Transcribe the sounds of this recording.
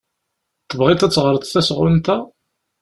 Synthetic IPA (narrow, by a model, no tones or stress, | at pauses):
t̪əvʁɪt̪æt͡sːʁəɾˤət̪ˤθæsʁʊnt̪æ